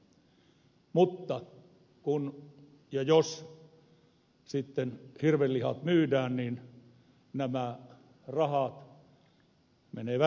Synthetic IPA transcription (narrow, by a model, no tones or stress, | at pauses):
mut̪ːɑ | kun | jɑjos | sit̪ːenhirʋellːihɑ̰t̪myːdæːnniːn | næmæ | rɑhɑt̪ | mḛneːʋæ